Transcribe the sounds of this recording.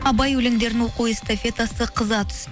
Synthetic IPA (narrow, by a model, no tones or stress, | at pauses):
ɑbɑjwɵlɪŋd̪e̞ɾɪnwo̞quɪst̪afʲe̞t̪asəqʰəzɑt̪ʰʏ̥s